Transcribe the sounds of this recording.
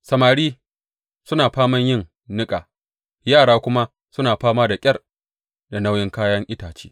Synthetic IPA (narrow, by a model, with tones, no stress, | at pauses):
sɐ˨maː˨ɽiː˦ | sʊ˦naː˨ɸaː˦mɐ˦ɲjɪ˦˨ŋ | nɪ˦kʼaː˨ | jaː˦˨ɽaː˦kʷʊ˦ma˦ | sʊ˦naː˨ɸaː˦maː˦da˨kʲʼɐ˦r | da˨na˦wjɪ˦ŋkaː˦jɐ˦ŋʔɪ˦taː˨t͡ʃe̥̰ː˦